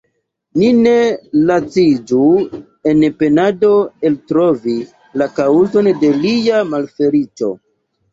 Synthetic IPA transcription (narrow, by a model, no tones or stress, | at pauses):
nine̞lat͡sid͡ʒu | e̞npe̞nado̞e̞ltɾo̞vi | lakauzo̞nde̞lijamalfe̞ɾit͡ʃo̞̰